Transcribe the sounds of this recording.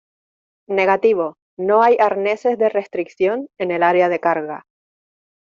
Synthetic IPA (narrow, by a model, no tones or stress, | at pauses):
ne̞ɣat̪iβo | no̞ajaɾne̞se̞zðe̞re̞st̪ɾikθjo̞ne̞ne̞laɾeað̞e̞kaɾɣa̰